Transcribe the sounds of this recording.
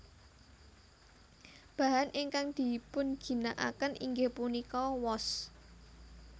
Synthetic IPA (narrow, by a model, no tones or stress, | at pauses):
b̥a̤ɦanʔɪŋkaŋd̪̥i̤pʊnɡ̥i̤naʔa̰kənʔḭŋɡehpunikɔwɔs